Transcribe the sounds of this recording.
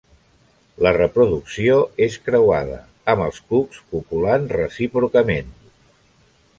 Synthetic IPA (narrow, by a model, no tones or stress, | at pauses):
lərəpɾuðuksioeskɾəwaðə̰ | əməlˠskukspupulanrəsipɾukəmen